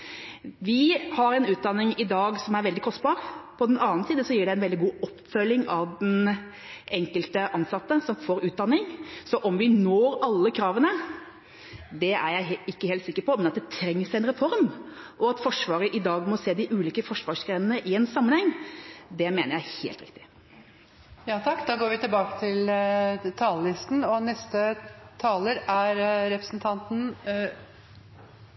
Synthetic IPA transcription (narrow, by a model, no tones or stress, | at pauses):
ʋɪhɑɾɛnʉːt̪̚d̪ɑnːɪŋɪd̪ɑːɡsɔmæɾʋɛld̪ɪkʰɔsbɑːɾpʰɔd̪ɛnɑːnəsiːd̪əsɔjiːɖɛænʋɛld̪ɪɡuːɔpːfœlːɪŋɑʋd̪ɛn | ʔɛŋkəlt̪əʔɑnsɑt̪ːəsɔmfoːɾʉːt̪̚d̪ɑnːɪŋsɔʔɔmʋɪnoːɾɑlːəkʰɾɑːʋənə | d̪ɛæɾjæɪɪkːəheːlt̪sɪkːəɾpɔmɛnɑt̪̚d̪ɛt̪ʰɾɛŋːsɛnɾɛfɔɾm | ʔɔɑt̪fɔʂʋɑːɾəʔɪd̪ɑːɡmɔseːd̪ɪʔʉːliːkəfɔʂʋɑːʂɡɾɛnənəʔɪɛːnsɑmːənhɛŋːd̪ɛmeːnəjæɪhḛːlt̪ɾɪ̰k̚t̪ɪ̥ | jɑːt̪ʰɑkːd̪ɑːɡoːɾʋɪt̪ɪlbɑːkə̥t̪ʰɪlt̪ʰɑːləlɪst̪n̩ɔnɛst̪ət̪ʰɑːləɾæɾɾɛpɾə̥sn̩t̪ʰɑnt̪n̩